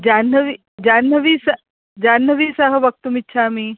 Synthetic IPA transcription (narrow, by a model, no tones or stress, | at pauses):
d͡ʒaːnːɐʋi | d͡ʒaːnːɐʋiːsɐ | d͡ʒaːnːɐʋiːsɐɦɐ̆ʋɐk̚t̪umitːʃʰaːmi